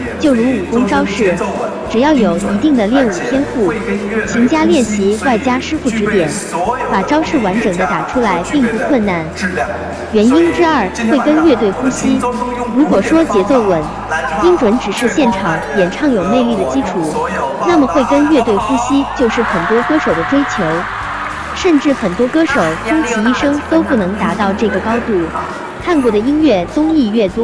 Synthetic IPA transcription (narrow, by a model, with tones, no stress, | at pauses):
t͡ɕjo˥˩ʊɻu˧˥u˨˩kʊ˥ŋʈ͡ʂɑ˥ʊʂɻ̩˥˩ | ʈ͡ʂɻ̩˨˩jɑ˥˩ʊjo˨˩ʊi˧˥t̪i˥˩ŋd̪ə˩ljɛ˥˧nu˨˩t̪ʰjɛ˥nfu˥˩t͡ɕʰy˧˥ŋt͡ɕja˥ljɛ˥˩nɕi˧˥wa˥˩ɪt͡ɕja˥ʂɻ̩˥fu˥˩ʈ͡ʂɻ̩˧˥t̪jɛ˨˩˦n | pa˨˩ʈ͡ʂɑ˥ʊʂɻ̩˥˩wa˧˥nʈ͡ʂɤ˨˩ŋd̪ə˦t̪a˨˩ʈ͡ʂʰu˥la˧˥ɪpi˥˧ŋpu˥˧kʰwə˥˧nna˥˩n | ɥɛ˧˥ni˥nʈ͡ʂɻ̩˥a˥˩xwe˥˩ɪkə˥nɥɛ˥˧t̪̬we˥˩ɪxu˥ɕi˥ɻu˧˥kwɔ˨˩ʂwɔ˥t͡ɕjɛ˧˥t͡so˥˩ʊwə˨˩˦n | t͡ɕi˥ŋʈ͡ʂwə˧˥nʈ͡ʂɻ̩˨˩ʂɻ̩˥˧ɕjɛ˥˩nʈ͡ʂʰɑ˨˩˦ŋjɛ˨˩nʈ͡ʂʰɑ˥˩ŋjo˨˩ʊne˥˧ɪli˥˩d̪ə˩t͡ɕi˥ʈ͡ʂʰu˨˩˦na˥˩mə˩xwe˥˩ɪkə˥nɥɛ˥˧t̪̬we˥˩ɪxu˥ɕi˥t͡ɕjo˥˧ʊʂɻ̩˥˩xə˨˩nt̪wɔ˥kɤ˥ʂo˨˩ʊd̪ə˦ʈ͡ʂwe˥ɪt͡ɕʰjo˧˥ʊ | ʂə˥˧nʈ͡ʂɻ̩˥˩xə˨˩nt̪wɔ˥kɤ˥ʂo˨˩˦ʊʈ͡ʂʊ˥ŋt͡ɕʰi˧˥i˥˩ʂɤ˥ŋt̪o˥ʊpu˥˩nɤ˧˥ŋt̪a˧˥t̪ɑ˥˧ʊʈ͡ʂɤ˥˩ɡə˩kɑ˥ʊt̪u˥˩ | kʰa˥˧nkwɔ˥˩ɾə˩i˥nɥɛ˥˩t͡sʊ˥ŋi˥˧ɥɛ˥˩t̪wɔ˥